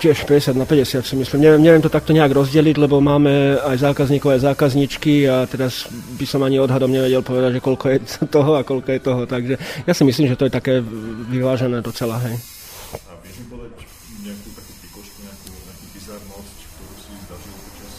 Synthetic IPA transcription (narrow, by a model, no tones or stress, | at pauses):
cɪɛʃpɛɟɛsɪad̪napɛɟɛsɪat̪simislimɲɛʋjɛmɲɛʋjɛmt̪ɔt̪ak̚t̪ɔɲɛaɡɾɔzɟɛliɟlɛbɔmaːmɛajzaːkazɲiːkɔʊajzaːkazɲit͡ʃkiat̪ɛɾazbisɔmaɲiɔd̪ɦad̪ɔmɲɛʋɛɟɛlpɔʋɛd̪aɟʒɛkɔlkɔjɛt̪ɔɦɔakɔlkɔjɛt̪ɔɦɔt̪aɡʒɛjaːsimis̬liːmʒɛt̪ɔjɛt̪akɛːʋiʋaːʒɛnɛːd̪ɔt͡sɛlaɦɛj | aɛipɔd̪a | ɲɛakuːt̪akupɾikɔʃkuɲɛakuɛkupisaɾnɔs | kt̪ɔɾusizd̪aʒi